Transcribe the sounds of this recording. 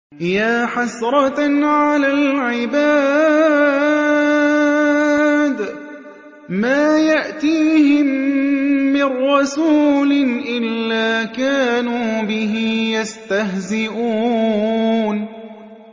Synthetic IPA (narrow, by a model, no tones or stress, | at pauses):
jaːħasɾˤɑtʕalaːlʕɪbaː | d̪ | maːjaʔt̪iːhɪmː | ɪrːɑsuːlɪʔɪlːaːkaːnuːbɪɦɪjast̪aɦzɪʔuːn